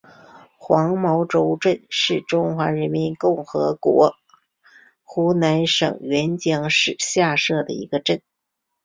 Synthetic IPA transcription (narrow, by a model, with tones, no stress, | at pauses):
xwɑ˧˥ŋmɑ˧˥ʊʈ͡ʂo˧˥ʊʈ͡ʂə˥˧nʂɻ̩˥˩ʈ͡ʂʊ˥ŋxwa˧˥ɻə˧˥nmi˧˥nkʊ˥˩ŋxɤ˧˥kwɔ˧˥ | xu˧˥na˧˥nʂɤ̰˨˩ŋɥɛ˧˥nt͡ɕjɑ˥ŋʂɻ̩˥˧ɕja˥˧ʂɤ˥˩d̪ə̰˩ḭ˧˥ɡ̥ə˧ʈ͡ʂə˥˩n